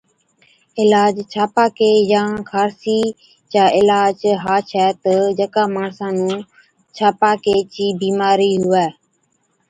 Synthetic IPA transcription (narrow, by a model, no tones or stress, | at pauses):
ɪlaːd͡ʒt͡ʃʰaːpaːkeːjãːkʰaːɾsiː | t͡ʃaːʔɪlaːd͡ʒɦaːt͡ʃʰɛːt̪əd͡ʒəkaːmaːɳsãːnũː | t͡ʃʰaːpaːkeːt͡ʃiːbiːmaːɾiːɦʊɛː